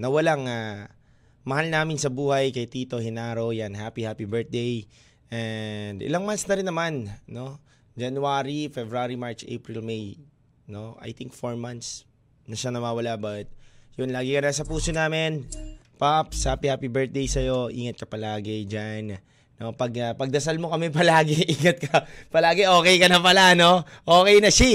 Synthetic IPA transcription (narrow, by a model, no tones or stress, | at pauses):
nɐwɐlaŋa | mɐhalnaːmɪnsɐbuːhɐjkɐjt̪iːt̪o̞hɪnaːɾowjanɦaːpihaːpibɛɹt̪̚d̪ej | ʔɛnd̪ɪ̰laŋmansnɐɾɪnːɐmanno̞ | d͡ʒɐnuaːɾifɛbɾaɾimaɹt͡ʃʔḛjpɹɪlmej | no̞ʔa̰jt̪ɪŋk̚foɹmant̪s | nɐʃanɐwaːwɐlabɐt̪̚jʊnlaːɡɪkɐnas̬ɐpuːsonaːmɪnpap̚shaːpihaːpibɛɹt̪̚d̪ejsɐjo̞ʔiːŋɐt̪̚kɐpɐlaːɡɪd͡ʒan | no̞pɐɡɐpɐɡ̚d̪ɐsalmokɐmɛp̬ɐlaːɡɪʔiːŋɐt̪̚kɐpɐlaːɡɪʔo̞ːkɛjkɐnɐpɐlano̞ʔoːkɛjnɐʃi